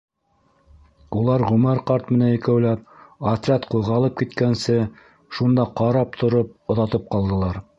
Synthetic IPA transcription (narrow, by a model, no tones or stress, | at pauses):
ulˠɑɾʁɵ̆mɘɾqɑɾt̪mɘ̆nænɘ̆kæwlæp̚ɐt̪ɾʲat̪qujʁɑlˠɤp̚kit̪kænsɘ | ʃund̪ɑqɑɾɑp̚t̪ʰŏɾop̚ŏðɑt̪ɤp̚qɑlˠd̪ɤ̆lˠɑɾ